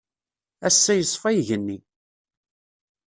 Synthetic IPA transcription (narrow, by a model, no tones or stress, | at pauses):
æsːæjəsˤːfæjʝənːi